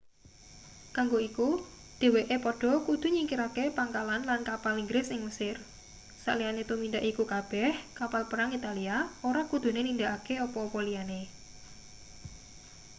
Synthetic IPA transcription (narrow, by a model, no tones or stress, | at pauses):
kaŋɡoiku | d̥e̤weʔepɔɖ̥ɔ̤kud̪̥ṳɲiŋkiɾakepaŋkalanlankapaliŋɡɾɪsɪŋməsɪr | sa̰ʔlianet̪umind̪aʔikukab̥ɛhkapalpəɾaŋit̪aliaoɾakud̪̥ṳnenind̪aʔakeɔpɔpɔliane